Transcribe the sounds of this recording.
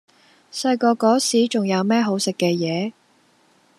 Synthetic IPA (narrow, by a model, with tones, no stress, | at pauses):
sɐ˧jkɔː˧kɔː˨˥siː˨˥t͡ʃʊ˨ŋjɐ˨˧wmɛː˥ɦo˨˥wsɪ˨kːɛː˧jɛː˨˧